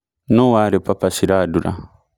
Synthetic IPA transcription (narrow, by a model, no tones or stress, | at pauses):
nowaɾɛpapasiɾaduɾa̰